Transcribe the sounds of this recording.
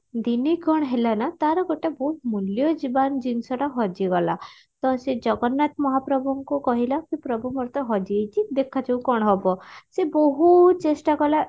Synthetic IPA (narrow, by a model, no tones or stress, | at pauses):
d̪iniɡʱɔɽ̃ɦelanat̪aɾɔɡɔʈebɔɦut̪muljɔd͡ʒiband͡ʒinsɔɽaɦɔd͡ʒiɡɔla̰ | t̪ɔsed͡ʒɔɡɔnːat̪̚mɔɦapɾɔbʱɔŋkukɔɦilakipɾɔbʱumɔɾt̪ɔɦɔd͡ʒijt͡ʃʰid̪ekʰad͡ʒewkɔɽ̃ɦɔbɔsebɔɦut͡ʃesʈakɔla